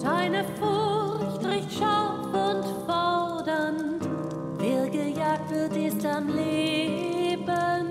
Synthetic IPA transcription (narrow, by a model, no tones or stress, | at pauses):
d̥aɪnəfʊçtʁɪçtʃalfʊntfɔldən | vɪlɡəjaːk̚tv̥ɪtɪstamleːbən